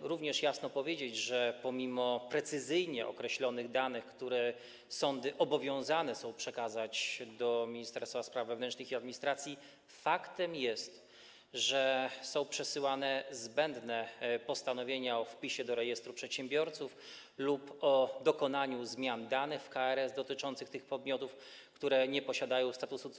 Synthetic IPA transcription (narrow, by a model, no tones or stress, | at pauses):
ɾuvɲɛʂjasnɔpɔvʲjed͡ʑed͡ʑʐɛpɔmʲimɔpɾɛt̪sɘzɘjɲɛʔɔ̰kɾɛɕlɔnɘɣd̪anɘxkt̪uɾɛ | sɔnd̪ɘʔɔbɔvʲjɔ̃w̃zanɛsɔ̃w̃pʂɛkazat͡ɕd̪ɔmʲiɲist̪ɛɾst̪faspɾavːɛvnɛnt͡ʂnɘxiad̪mʲiɲist̪ɾat̪sʲji | fakt̪ɛmjɛst̪ | ʐɛsɔ̃w̃pʂɛsɘwanɛzbɛnd̪nɛpɔst̪anɔvʲjeɲaɔfpʲiɕɛd̪ɔɾɛjɛst̪ɾupʂɛt̪ɕɛmbʲjɔɾt̪suf | lupɔd̪ɔkɔnaɲuzmʲjand̪anɘxfkaɛɾɛzd̪ɔt̪ɘt͡ʂɔnt̪sɘxt̪ɘxpɔd̪̚mʲjɔt̪uf | kt̪uɾɛɲɛpɔɕad̪ajɔ̃w̃st̪at̪usu